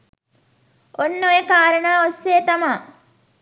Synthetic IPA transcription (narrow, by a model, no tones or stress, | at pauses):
onːojekaːɾəɳaːosːeːt̪ama